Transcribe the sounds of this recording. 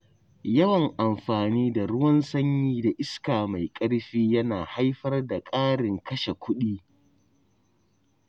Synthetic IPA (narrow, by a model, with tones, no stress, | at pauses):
jɐ˦wɐ˨ŋʔa˨mɸaː˨niː˦da˨ɽʊ˦wɐ˦nsɐ˦ɲjiː˦da˨ʔɪ˦skaː˨ma˨jkʼɐ˦ɽɸiː˦jɐ˦naː˨ha˦jɸɐ˦rda˨kʼaː˦ɽɪ˨ŋkɐ˦ʃe˨kʷʰʊ˦ɗiː˦